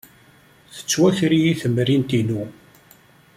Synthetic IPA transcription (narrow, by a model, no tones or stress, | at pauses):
θə̥t͡sːwæçɾijiθəmɾint̪inu